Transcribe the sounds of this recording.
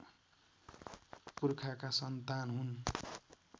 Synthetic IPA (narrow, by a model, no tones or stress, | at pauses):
purkʰakasʌnt̪anɦun